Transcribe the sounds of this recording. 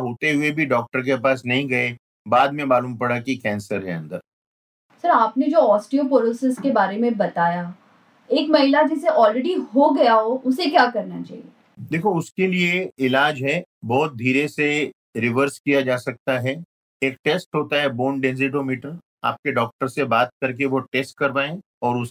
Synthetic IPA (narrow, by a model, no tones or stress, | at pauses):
ɦoːt̪eɦʊebʱiɖɔːk̚ʈəɾk̬epaːsnɐɦĩɡɐe | baːd̪mẽmaːluːmpɐɽakikɛ̃ːnsəɾɦɛ̰ɐ̃nd̪əɾ | sɐɾaːpned͡ʒoːɔːsʈiopoːlosɪskebaːɾemẽbɐt̪aːja | eːkmɐɦɪlad͡ʒɛːseʔɔːlɾɛɖiɦoɡɐjaɦoʔʊsekjaːkɐɾnat͡ʃa̰ːɦḭe | d̪eːkʰoʊskelieɪlaːd͡ʒɦɛ | bɔːt̪̚d̪ʱiːɾese | ɾɪʋəɾskijad͡ʒaːsɐk̚t̪aɦɛ | eːkʈeːsʈɦoːt̪aɦɛboːnɖɛ̃nzɪʈ̬omiːʈəɾ | a̰ːp̚keɖɔːk̚ʈəɾsebaːt̪̚kɐɾk̬eʋoʈeːsʈ̚kɐɾʋaːẽ | ɔːɾʊs